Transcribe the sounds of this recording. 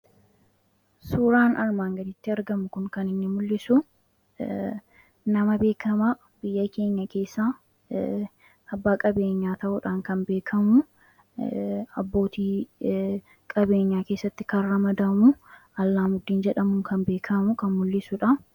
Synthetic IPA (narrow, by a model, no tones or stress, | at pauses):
suːɾaːnɐɾmaːŋɡɐnɪt̪ːɪɐɾɡɐmʊkʊŋkɐnɪnːɪmʊlːɪsʊ | nɐmɐbe̞ːkʰɐma | b̥ɪjːɐke̞ːɲːɐke̞ːsːaː | bːaːkʼɐbe̞ːɲːaːt̪ɐʔʊᶑaːŋkɐnbe̞ːkʰɐmʊ | ɐbːo̞ːt̪iː | kʼɐbe̞ːɲːaːke̞ːsːɐt̪ːɪkɐrɐmɐd̪ɐmʊɐlːaːmʊd̪ːiːnd͡ʒɛᶑɐmʊŋkʰɐnbe̞ːkʰɐmʊkɐnmʊlːɪsʊᶑɐ